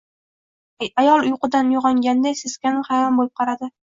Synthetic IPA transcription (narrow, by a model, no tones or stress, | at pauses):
ajɒlˠʊjqɨd̪anjoʁɒŋɡʲand̪ajsɪskʲanɪχajɾɒnbolˠɪp̚qʰɑɾad̪ɪ